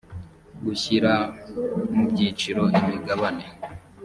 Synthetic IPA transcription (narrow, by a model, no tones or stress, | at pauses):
ɡuçiɾa | mubɟit͡ʃiɾo̞imiɡaβane̞